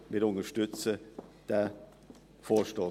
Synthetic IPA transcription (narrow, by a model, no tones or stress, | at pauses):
mɪɾʊnəʃtʏt͡səd̥ɛ | foːʃtoː